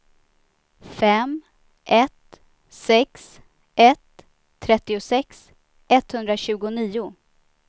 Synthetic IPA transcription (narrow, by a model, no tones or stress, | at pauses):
fɛm | ʔɛt̪ | sɛks | ʔɛt̪ʰː | ɾɛt̪ːɪʊsɛks | ʔɛt̪ːhɵnd̪ɾaɕʉ̟ːɡʊniːʊ